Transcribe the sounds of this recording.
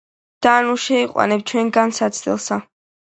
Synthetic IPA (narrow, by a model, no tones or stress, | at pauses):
d̪̥aːnuʃɛiqʼwa̰nɛp̚t͡ʃʰwɛnɡansat̪sʰd̪ɛ̰lˠsa